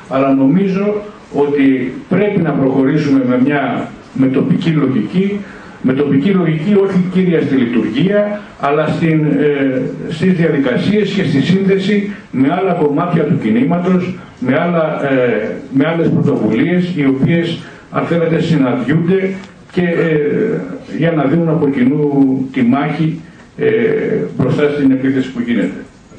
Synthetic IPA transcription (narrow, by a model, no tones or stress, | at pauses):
ɐlɐno̞mizo̞ | o̞t̪ipɾe̞pinɐpɾo̞xo̞ɾisume̞me̞mɲɐ | me̞t̪o̞picilo̞ʝici | me̞t̪o̞picilo̞ʝicio̞çiciɾiɐst̪ilit̪uɾʝiɐː | lɐst̪in | st̪izðiɐðikɐsie̞sce̞st̪isinðe̞si | me̞ɐlɐko̞mɐt̪çɐt̪ucinimɐt̪o̞s | me̞ɐlɐ | meɐle̞spɾo̞t̪o̞vulie̞sio̞pie̞s | ɐ̰nθe̞net̪e̞sinɐnd̪ʝund̪e̞ | ce̞ | ʝɐnɐðinunɐpo̞cinut̪imɐçi | bɾo̞st̪ɐst̪ine̞piθe̞si̥puʝine̞t̪e̞̥